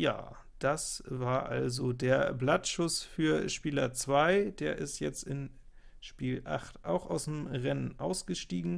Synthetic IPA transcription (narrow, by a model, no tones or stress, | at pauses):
ja̰ː | d̥asvaːɐʔa̰lzodeːɐblatʃʊsfyːɐʃpiːlɐt͡sv̥aɪd̥eːɐʔɪ̰stjɛt͡stɪn | ʃpiːlʔa̰χtʔaʊxaʊsmʁɛnənʔaʊsɡ̥əʃtiːɡŋ̩